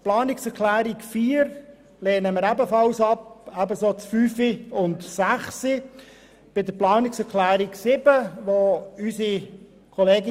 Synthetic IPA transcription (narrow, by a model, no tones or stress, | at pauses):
plɑːnɪksɛɾklæːɾikfiːəɾ | leːnəməɾæbəfɑlsɑpæbəsot͡sfyːfiʊntsæχsi | b̥ɪdəɾplɑːnɪksɛɾklæːɾiksɪbəʋoysi | kʰɔleːɡɪ